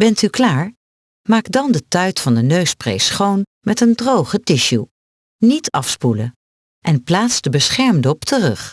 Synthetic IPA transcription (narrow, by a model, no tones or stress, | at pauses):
bɛntyklaːɹ | maːkdɑndətœɥtfɑndənøɥsprḛjsχownmɛtəndrowχətɪʃu | nitʰɑfspulə | ʔɛnplaːtsdəbəsχɛɹmdɔptʰərɵχ